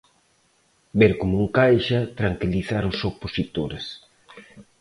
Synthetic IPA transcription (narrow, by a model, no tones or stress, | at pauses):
beɾkomuŋkajʃɐt̪ɾaŋkiliθaɾʊsoposit̪oɾes